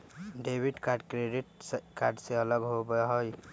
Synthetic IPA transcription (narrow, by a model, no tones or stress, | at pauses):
ɖebiɖkaɾɖkɾeɖiʈkaɾɖseələɡɦobɦoj